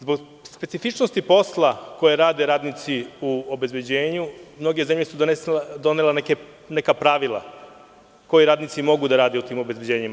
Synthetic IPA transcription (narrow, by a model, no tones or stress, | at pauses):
zbo̞ɡ | spe̞t̪sifit͡ʃnost̪ipo̞slˠako̞jeɾaːd̪e̞ɾaːd̪nit̪siuobe̞zbe̞d͡ʑeːɲumno̞ɡe̞ze̞mʎe̞sud̪oned̪o̞neleneke | ne̞kapɾaʋilˠa̰ | ko̞jiɾaːd̪nit̪simo̞ɡud̪aɾaːd̪e̞ut̪iːmo̞bezbed͡ʑe̞ːɲima